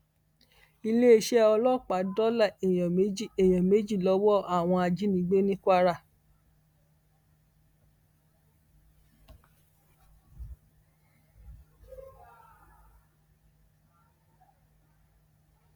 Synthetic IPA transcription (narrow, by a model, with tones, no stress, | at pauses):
i˧le˦e˧˦ʃɛ˦ɔ˧lɔ˦˨k͡pa˨˦dɔ˦la˦˨e˨jã˨me˨˦i˦˨e˨j̃ã˨me˨˦d͡ʒi˦˨lɔ˨˦wɔ˦a˦˨w̃ɔ̃˧a˧d͡ʒi˦nĩ˧˦ɡ͡be˦nĩ˦kʷa˦ɾa˦˨